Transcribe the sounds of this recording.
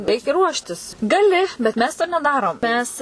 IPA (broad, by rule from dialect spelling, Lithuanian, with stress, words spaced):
ˈrʲɛɪkʲɛ ˈruɔʃʲtʲɪs ɡɐˈlʲɪ bʲɛt ˈmʲɛs toː nʲɛˈdɑːroːm ˈmʲɛs